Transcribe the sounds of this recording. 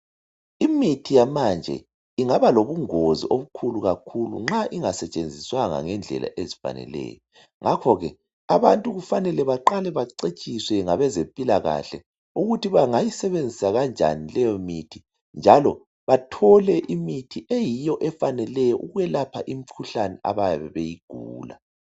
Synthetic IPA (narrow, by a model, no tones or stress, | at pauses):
imitʰijamand͡ʒʱɛ̰ | iŋaβaloβuŋozḭʔoβukʰuluɣakʰulṵŋ͡ǁaʔiŋasɛt͡ʃʼend͡zʱiswaŋa̰ŋɛnd͡ɮʱɛ̰lʔa̰ʔezifa̰nɛ̰lɛ̰ːjɔ | ŋʔakʰɔɣɛ̰ | aβantʼuɣufanɛlɛβaǃalɛβaǀet͡ʃʼiswɛŋaβɛzempʼilaɣa̰ɬɛ | uɣutʰiβaŋajisɛβend͡zʱisaɣand͡ʒʱa̰nilɛjɔmitʰi | nd͡ʒʱalɔ | βatʰɔlɛʔimitʰiʔejijɔʔɛfanɛlɛjɔʔuɣɛlapʰaʔimikʰuɬanɛʔa̰βajaβɛβejiɡ̥ʱuːla̰